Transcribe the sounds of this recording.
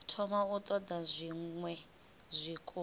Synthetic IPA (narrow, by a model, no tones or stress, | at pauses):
tʰɔmaut̪ʼɔd̪azʷiŋwɛ | zʷikʼu